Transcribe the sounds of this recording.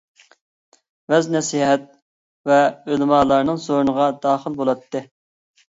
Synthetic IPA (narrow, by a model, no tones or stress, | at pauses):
vɛznɛsiɦɛt̪̚ | vɛølmɑːlˠɑɾnɨŋzoɾnəʁɑd̪ɑːχəlˠbolˠɑt̪ːɨ